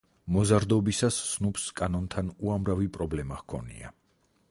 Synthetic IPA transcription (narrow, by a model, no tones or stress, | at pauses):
mɔzaɾd̪ɔbisasːnupskʼanɔnt̪ʰanuamɾavipʼɾɔblɛmaʁkʰɔ̰nḭa̰